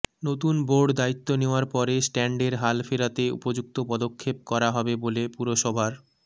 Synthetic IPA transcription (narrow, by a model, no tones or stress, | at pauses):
not̪unboɖd̪ait̪ːoneoaɾpɔɾesʈɛɳɖeɾɦalfeɾat̪eṵpod͡ʑuk̚t̪opɔd̪okʰːep̚kɔɾaɦɔbebolepuɾoʃɔbʱaɾ